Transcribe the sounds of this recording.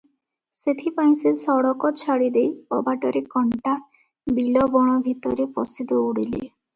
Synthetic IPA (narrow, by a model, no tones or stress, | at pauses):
set̪ʰipaj̃sesɔɽɔkɔt͡ʃʰaɽid̪ejɔbaʈɔɾekɔɳʈa | bilɔbɔɽ̃ɔbʱit̪ɔɾepɔsid̪ɔuɽilḭ